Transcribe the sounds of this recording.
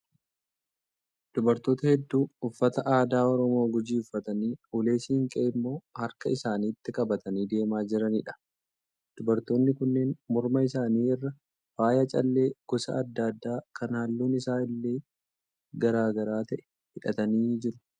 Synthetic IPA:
d̪̥ʊbɐɾt̪o̞ːt̪ɐhɛd̪ːuːʊfːɐt̪ɐʔaːd̪aːɔɾɔmo̞ːɡʊd͡ʒiːʊfːɐt̪ɐniːʊle̞ːsiːŋkʼeːɪmːo̞ːhɐɾkɐɪsaːniːt̪ːɪkʼɐbɐt̪ɐniːd̪e̞ːmaːd͡ʒɪɾɐniːᶑɐ̥ | d̪̥ʊbɐɾt̪o̞ːnːɪkʊnːeːnmɔɾmɐɪsaːniːɛrːɐ | faːjɐt͡ʃʼɐlːe̞ːɡ̥ɔsɐ̰ɐd̪ːad̪ːaːkɐnhaːlːuːnɪsaːɪlːe̞ː | ɡɐɾaːɡɐɾaːt̪ɐʔɛ̥ | hɪᶑɐt̪ɐniːd͡ʒɪɾʊ̥

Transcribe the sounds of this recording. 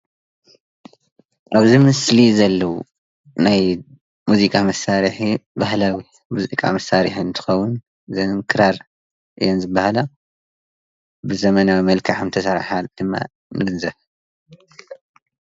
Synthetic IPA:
ʔaβzimɨslizɐlːɐwṵ | naj | muzikʼamɐsaɾħibahlawi | muzḭkʼa̰mɐsaɾiħiɨnt̪ʰɨ̥xɐwʊn | zɐŋkʰɨɾaɾ | ʔɨ̰jːonzɨbːahala | bɨzɐmɐnawimɐlkʰaħnt̪ʰɐsɐɾħad̪̥ɨmːa̰ | mɨɡɨnzɐβ

